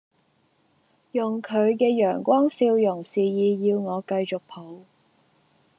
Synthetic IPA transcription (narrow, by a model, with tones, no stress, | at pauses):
jʊ˨˩ŋkʰɵ˨˧ɥkɛː˧jœː˨˩ŋkʷɔː˥ŋsiː˧wjʊ˨˩ŋsiː˨jiː˨˧jiː˧wŋɔː˨˧kɐ˧jt͡ʃʊ˨k̚pʰo˨˥w